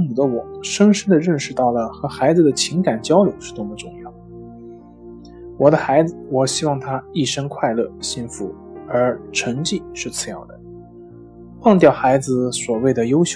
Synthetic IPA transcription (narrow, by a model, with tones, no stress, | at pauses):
u˨˩d̪ə˦wɔ˨˩ʂə˥nʂə˥nd̪ə˨ɻə˥˧nʂɻ̩˥˧t̪ɑ˥˩ʊlə˩xɤ˧˥xa˧˥ɪd͡zɹ̩˧˩d̪ə˩t͡ɕʰi˧˥ŋka˨˩nt͡ɕjɑ˥ʊljo˧˥ʊʂɻ̩˥˩t̪wo˥˩mə˧ʈ͡ʂʊ˥˧ŋjɑ˥˩ʊd̪ə | wɔ˨˩d̪ə˦xa˧˥ɪd͡zɹ̩˥˧wɔ˨˩ɕi˥wɑ˥˩ŋt̪ʰa˥i˥˩ʂə˥ŋkʰwa˥˧ɪlɤ˥˧ɕi˥˩nfu˧˥ | ə˞˧˥ʈ͡ʂʰə˧˥ŋt͡ɕi˥˧ʂɻ̩˥˩t͡sʰɹ̩˥˩jɑ̰˥˩d̪ə̰˩ | wɑ˥˧ŋt̪̬jɑ˥˩ʊxa˧˥ɪd͡zɹ̩˧swɔ˨˩we˥˩ɪd̪ə˩jo˥ʊɕj